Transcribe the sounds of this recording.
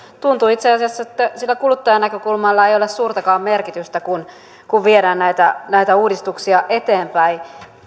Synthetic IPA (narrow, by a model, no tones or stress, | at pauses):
t̪unt̪uit̪seɑsiɑsːɑet̪ːæsilːækulut̪ːɑjɑnækøkulmɑlːɑejolessuːrt̪ɑkɑːmmerkit̪yst̪ækun | kuʋʋieɾæːnnæit̪ænæit̪æuːdist̪uksiɑʔet̪eːmpæi